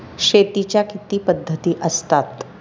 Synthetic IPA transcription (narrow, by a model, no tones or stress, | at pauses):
ɕet̪it͡ɕjakit̪iːpəd̪ʱːət̪iːʔəst̪at̪